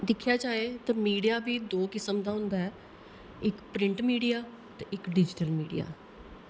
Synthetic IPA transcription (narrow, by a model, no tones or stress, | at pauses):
d̪ɪkʰːjaːd͡ʒaːeːt̪ãːmiːɖijaːbiːd̪oːkɪsəmd̪aːɦʊ̃nd̪aːɛː | ɪkpɾɪɳʈmiːɖijaː | t̪eɪkɖɪd͡ʒɪʈəlmiːɖḭja̰ː